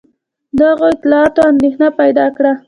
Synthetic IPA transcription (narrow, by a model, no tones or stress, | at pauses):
d̪aɣoɪt̪ɪlɑɑt̪oand̪exnapajd̪ɑkɽa